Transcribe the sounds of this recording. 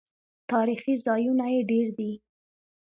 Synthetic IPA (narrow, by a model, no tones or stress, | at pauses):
t̪ɑɾixizɑjunajeɖeɾd̪i